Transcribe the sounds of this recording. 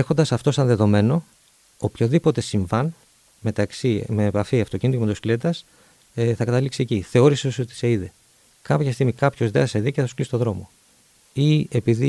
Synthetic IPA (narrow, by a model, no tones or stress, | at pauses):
exond̪ɐsɐft̪o̞sɐnðe̞ðo̞me̞no̞ː | pçoðipo̞t̪e̞siɱvɐn | me̞t̪ɐksimeːpɐfiɐft̪o̞cinit̪ucemt̪uskliet̪ɐs | θɐkɐt̪ɐliksieciθe̞o̞ɾiseso̞t̪i̥se̞iðe | kɐpçɐst̪iɣmikɐpço̞zðeɐseðiceθsklisi̥t̪oðɾo̞mo̞̰ | ie̞piði